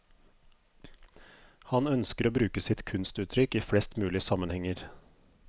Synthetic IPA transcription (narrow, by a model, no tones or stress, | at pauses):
hɑnœnskəɾoːbɾʉːkəsɪt̪kʰʉnst̪ʉːt̪ʰɾʏkiːfɽɛst̪mʉːlɪəsɑmənhɛŋəɾ